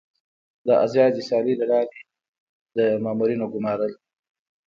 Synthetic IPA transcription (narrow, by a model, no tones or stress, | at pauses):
d̪əʔa̰zjɑːd͡ʒisɑlilaɽɑːɾe | d̪əmɑːmuɾinoɡʊmɑɾəl